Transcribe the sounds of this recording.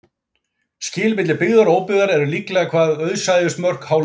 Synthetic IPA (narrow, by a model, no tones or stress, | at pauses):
scɪːlmɪt̪lɪpɪɣðaɾoːwpʏðaɾɛɾʏliklɛɣakʰv̥aːðœɥðsajðʏst̪mœr̥khawl